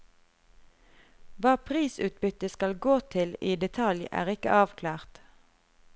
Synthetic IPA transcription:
ʋɑːpʰʁiːsʉːt̪̚bʏt̪əskɑlɡoːt̪ʰɪliːd̪ɛt̪ʰɑljæ̰ːʁɪkə̰ʔɑːʋkʰlæːʁt̪

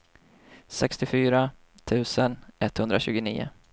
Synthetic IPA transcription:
sɛkst̪ɪfyːɾa | t̪ʰʉ̟ːsənʔɛt̪ːhɵnd̪ɾaɕʉ̟ːɡʊnḭːʊ̰

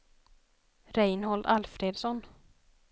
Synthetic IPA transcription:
ɾɛjnhɔɭd̪alfɾeːd̪sɔn

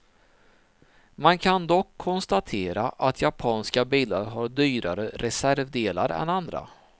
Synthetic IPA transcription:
mankʰand̪ɔkʰːɔnst̪at̪ʰeːɾaʔat̪ʰjapʰɑːnskabiːlaɾɦaɖyːɾaɾəɾʔɛsæɾvd̪eːlaɾɛ̰nand̪ɾa̰

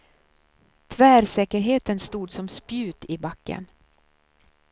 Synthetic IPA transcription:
t̪ʰvæːɾsɛːkəɾɦeːt̪ənst̪uːd̪sɔmspjʉ̟ːt̪ɪbakːə̰n

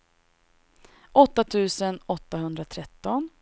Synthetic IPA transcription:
ʔɔt̪ːat̪ʰʉ̟ːsənɔt̪ːaɦɵnd̪ɾat̪ʰɾɛt̪ːɔn

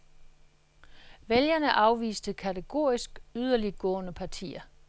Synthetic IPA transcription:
ʋeljɐnəʔɑ̈ʊʋḭːsd̥əkʰæt͡sʰeɡ̥o̝̰ːisɡ̥yð̞ˠɐliɡ̥ɔ̰̽ːnəpʰɑ̈t͡sʰḭːɐ

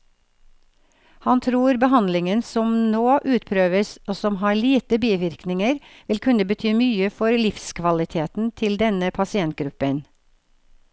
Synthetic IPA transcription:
hɑnt̪ʰɾuːɾbəhɑnd̪lɪŋənsɔmnoːʔʉːt̪̚pʰɾøːʋəsʔoːsɔmɦɑːɭiːt̪əbiːʋɪɾknɪŋəɾʋɪlkʰʉnəbət̪ʰyːmyːəfɔɾlɪfskʰʋɑlɪt̪ʰeːt̪n̩t̪ʰɪld̪ɛnəpʰɑsɪɛnt̪̚ɡɾʉpən

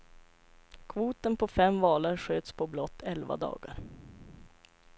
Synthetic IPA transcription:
kʰvuːt̪ənpʰɔfɛmvɑːlaɾɧøːt̪spʰɔblɔt̪ʰːɛlva̰d̪ɑ̰ːɡaɾ

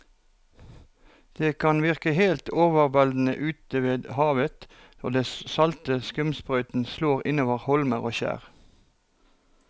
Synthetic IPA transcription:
d̪̥eːkʰɑnʋɪʁkəheːlt̪oːʋəʁʋɛld̪n̩ə̰ʔʉːt̪əʋeːd̪hɑːʋət̪ | nɔʁd̪eːssɑlt̪əskʉmspʁœʏt̪n̩sloːʁɪnoːʋəʁhɔlməʁoːçæ̰ːʁ

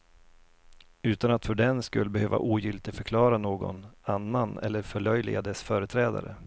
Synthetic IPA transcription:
ʉ̟ːt̪anat̪fœɖɛnskɵlːəbɛhøːva̰ʔuːjʏlt̪ɪfœɾkʰlɑːɾanoːɡɔ̰nanːanɛ̰lːəɾfœɭœjlɪ̰ɡad̪ɛsfœːɾət̪ʰɾɛːd̪a̰ɾə̰

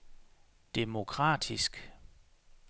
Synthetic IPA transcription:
d̥e̝mo̝kʰʁɑ̰̈ːd̥isɡ̥

